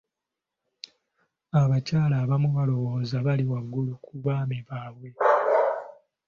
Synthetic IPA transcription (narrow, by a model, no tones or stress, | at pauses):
aβacaːlaːβamuβalo̞βo̞ːzaβaliwaɡːulukʰuβaːmiβaːβwe̞